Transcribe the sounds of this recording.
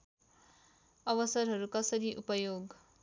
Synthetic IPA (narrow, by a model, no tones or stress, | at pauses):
ʌwʌsʌrɦʌɾukʌsʌɾiʔupʌjoɡ